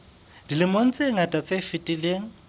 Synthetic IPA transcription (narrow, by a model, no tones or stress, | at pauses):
d̥ilɪmon̩t͡sʼeŋ̩atʼat͡sʼefɪtʼileːŋ̩